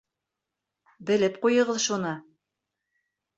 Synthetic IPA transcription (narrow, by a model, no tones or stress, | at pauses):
bɘ̆lɘpqujɤ̆ʁɤðʃunɤ